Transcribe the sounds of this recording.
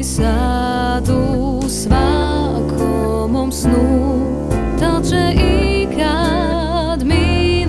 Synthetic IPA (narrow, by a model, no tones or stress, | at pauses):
sa | d̪u | sva | kʰɔ | mɔmsnu | t̪aʒɛʔikʰa | d̪min